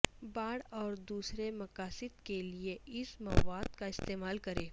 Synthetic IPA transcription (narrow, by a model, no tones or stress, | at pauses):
baːɽɔːɾd̪uːsɾemɐkaːsɪd̪kelieɪsmɐwaːd̪kaɪst̪eːmaːlkɐɾeː